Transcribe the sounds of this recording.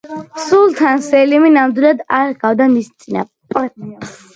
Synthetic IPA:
sulˠt̪ʰansɛliminamd̪wilˠad̪aɾɡavd̪amist̪sʼina̰ | pʼɛps

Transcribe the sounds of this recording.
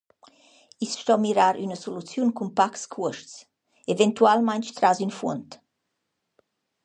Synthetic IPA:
isʃt̪ɔmiɾaɾʔynəsolut͡sjunkumpakskʰuəʃts | evɛnt̪ualmajnt͡ʃt̪ɾazynfunt̪

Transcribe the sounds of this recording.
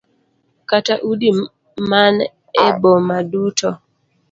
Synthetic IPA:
kataʔudi | man | ɛbɔmadutɔ

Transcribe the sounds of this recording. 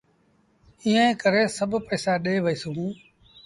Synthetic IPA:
iːẽːkəɾeːsəbʱpəːsaːɗeːʋəiːsũː

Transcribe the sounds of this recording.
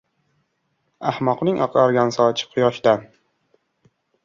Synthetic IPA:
ahmɒqnɪŋʔɒqʰɾaɾɡʲansɒt͡ʃʰɪ̥qʰʊjɒʃd̪an

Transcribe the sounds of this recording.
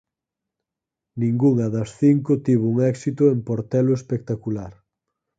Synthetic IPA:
nĩŋɡuŋɐðɐsθiŋkʊt̪iβouŋɛksit̪ʊempoɾt̪ɛlʊespek̚t̪akulaɾ

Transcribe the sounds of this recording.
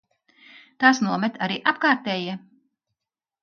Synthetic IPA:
t̪aːsnuɔmɛt̪ʰaɾiːʔapkaːɾt̪ɛːji

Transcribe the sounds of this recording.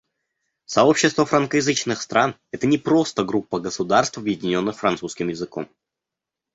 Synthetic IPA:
sɐo̞pɕːɪst̪vəfɾənkəjɪzɨt͡ɕnɨxst̪ɾan | ɛt̪ənʲɪpɾo̞st̪əɡɾupːəɡəsʊd̪arst̪fɐbjɪdʲɪnʲo̞nːɨxfɾɐnt̪suskʲɪmjɪzɨko̞̰m

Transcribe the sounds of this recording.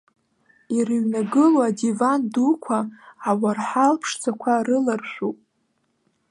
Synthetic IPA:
irɨɥnaɡɨlwadivandukʷʰaawarħalpʰʂd͡zʰakʷʰaɾɨlarʃᶣʷupʼ

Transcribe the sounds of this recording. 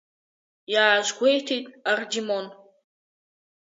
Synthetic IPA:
jaːʒɡʷejtʰejtʼardimon

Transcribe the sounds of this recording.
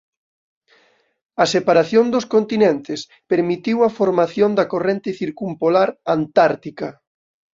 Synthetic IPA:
ɐsepaɾaθjond̪oskont̪inẽnt̪ɪs | peɾmit̪iwɐfoɾmaθjond̪ɐkorent̪ɪθiɾkumpolaɾant̪aɾt̪ikɐ

